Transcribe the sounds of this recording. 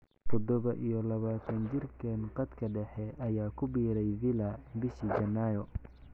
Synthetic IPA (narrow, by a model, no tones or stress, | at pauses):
t̪ʰɔd̪ɔβɐʔijɔlɐβaːt̪ʰɐnt͡ʃɪrkʰɐnqɑd̪kʰɐɖɛħɛʔɐjaːkʰʊbiːɾɛjvɪlɐbɪʃiːd͡ʒɐnːajɔ